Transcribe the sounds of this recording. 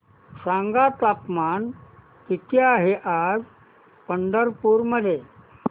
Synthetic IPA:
sãŋɡat̪apman | k̪it̪ʰjaɦeʔad͡z | pəɳɖəɾpuːɾməd̪ʱje

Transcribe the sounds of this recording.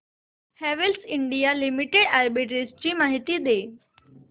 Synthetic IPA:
hɛːʋelsɪɳɖijalɪmɪʈeɖɛːɾbiʈɾist͡ɕiːmaːɦɪt̪id̪eː

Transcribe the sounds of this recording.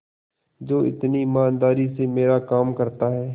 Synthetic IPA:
d͡ʒoːɪ̰t̪nimaːnd̪aːɾisemeːɾakaːmkɐɾt̪aɦɛː

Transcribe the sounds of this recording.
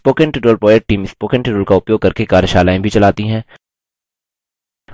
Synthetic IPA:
poːkɛ̃ɳʈɪʈɾoːlpɾɔːeʈ̚ʈːiːmɪspoːkɛ̃ɳʈɪʈɾoːlkaʊpjoːɡ̚kɐɾkekaːɾjəʃaːlaːẽbʱit͡ʃɐlaːt̪iɦɛ̃ː

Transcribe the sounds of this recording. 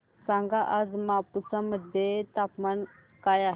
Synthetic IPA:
sãŋɡaʔad͡zmapusaməd̪ʱjet̪apman | kajaɦ

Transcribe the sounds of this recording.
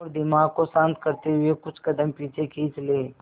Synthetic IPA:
ɾd̪ɪmaːɡkosãːnt̪kɐɾt̪eɦʊekʊt͡ʃʰkɐd̪əmpiːt͡ʃʰekiːt͡ʃleː

